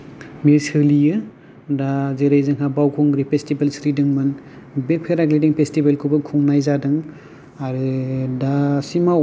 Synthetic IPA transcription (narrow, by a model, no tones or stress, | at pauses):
mesɯlijɯ | dazeɾejzɯŋɦabawkʰuŋɡɾipʰestibelsɾidɯŋmɯn | bepʰeɾaɡlidiŋpʰestibelkʰubɯkʰuŋnajzadɯŋ | aɾɯdasima